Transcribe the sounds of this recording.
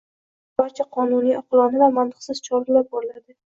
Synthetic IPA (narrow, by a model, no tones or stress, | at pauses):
b̥aɾt͡ʃʰaqʰɒnunijɒqɨlˠɒnɪvamant̪ʰɨqsɪz̥t͡ʃʰɒɾɾɪlap̚boɾlad̪ɪ